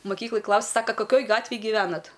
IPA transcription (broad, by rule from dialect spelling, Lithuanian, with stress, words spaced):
mɐˈkʲiːklˠɐj ˈklˠɐʊsʲ ˈsɑːkɐ kɐˈkʲoːj ˈɡɑːtʲʋʲeːj ɡʲiːˈʋʲæːnɐt